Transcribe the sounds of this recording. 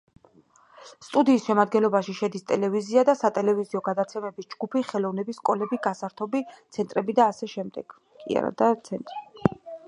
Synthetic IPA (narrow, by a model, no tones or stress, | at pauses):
st̪ʼud̪iːsʃɛmad̪ɡɛnlɔbaʃiʃɛd̪ist̪ʼɛlɛviziad̪asat̪ʼɛlɛviziɔɡad̪at̪sʰɛmɛbisd͡ʒɡupʰiχɛlˠɔvnɛbisːkʼɔlɛbiɡasaɾt̪ʰɔbit̪sʰɛnt̪ʼɾɛbid̪aːsɛʃɛmd̪ɛɡ̥ | kʼḭa̰ɾa̰d̪at̪sʰɛnt̪ʼɾi